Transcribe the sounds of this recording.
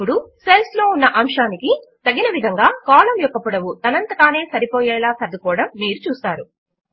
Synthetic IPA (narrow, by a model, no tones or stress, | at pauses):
uɽuselslo̞ːunːɐʔɐmʂaːnikit̪ɐɡinɐʋid̪ʱɐŋɡaːkaːlɐmjɔkːɐpuɽɐʋut̪ɐnɐnt̪ɐkaːne̞ːsɐɾipɔːjɛːlaːsɐd̪ukɔːɽɐmːiːɾut͡ʃuːsaːɾu